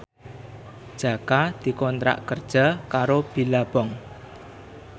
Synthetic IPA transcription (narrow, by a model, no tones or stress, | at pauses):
d̥ʒ̥a̤kad̪̥i̤kɔnt̪ɾa̰ʔkərd̥ʒ̥a̤kaɾob̥i̤lab̥ɔŋ